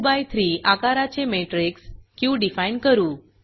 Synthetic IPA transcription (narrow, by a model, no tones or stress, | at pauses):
bajt̪ʰɾiːʔakaɾat͡ɕemeʈɾikskiũɖifaiɳkəɾũː